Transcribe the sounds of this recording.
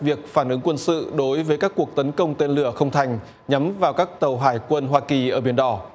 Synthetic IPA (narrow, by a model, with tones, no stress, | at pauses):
vi˨˩ək̚faː˧˩nʔɨ˨˦ŋkwə˧nsɨ̰˧˨ɗo˨˦jvəː˨˦jkaː˦˥kːu˨˩ək̚t̪ə˨˦nkə˧wŋ͡mt̪e˧nlɨ˧˩əxə˧wŋ͡mt̪ʰa˨˩jŋ̟ | ɲa˨˦mvaː˨˩wkaː˦˥k̚t̪ə˨˩wɦaː˧˩jkwə˧nɦwaː˧ki˨˩ʔəː˧˩ɓe˧ənɗɔ˧˩